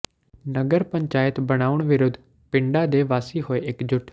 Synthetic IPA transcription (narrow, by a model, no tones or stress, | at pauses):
nəɡəɾpəɲt͡ʃaːjət̪bəɽ̃aːʊɳʋɪɾʊd̪ʱː | pɪ̃ɳɖaːd̪eːʋaːsiːɦoːeːʔɪkd͡ʒʊʈʰ